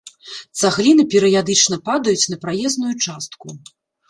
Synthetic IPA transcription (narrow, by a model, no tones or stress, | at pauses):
t̪saɣlʲinɨpʲɛɾɨjad̪ɨt͡ʂnɐpad̪ɐjut͡sʲn̪ɐpɾajɛznujut͡ʂast̪ku